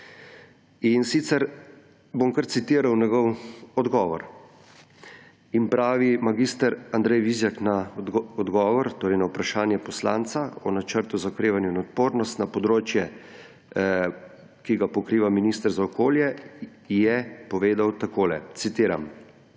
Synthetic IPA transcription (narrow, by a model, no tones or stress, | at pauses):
insit̪sɛɾ | bomkəɾt̪sit̪iːɾawnɛɡɔwɔd̪ɡɔːʋɔɾ | impɾaːʋimaɡist̪əɾand̪ɾɛjʋizjaknaɔd̪ɡɔːʋɔɾt̪oːɾɛjnawpɾaʃaːnjɛpɔslaːnt̪saɔnat͡ʃəɾt̪uzakɾeːʋanjuinɔt̪poːɾnɔst̪napɔd̪ɾoːt͡ʃjɛ | kiɡapɔkɾiːʋaminist̪əɾzaɔkoːljɛ | jɛpɔʋeːd̪awt̪akoːlɛ̰t̪sit̪iːɾam